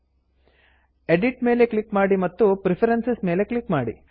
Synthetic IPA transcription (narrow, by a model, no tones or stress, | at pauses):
eɖiʈme̞ːleklikmaːɽimɐt̪ːupɾipʰɐɾensesmeːlekɭikmaːɽḭ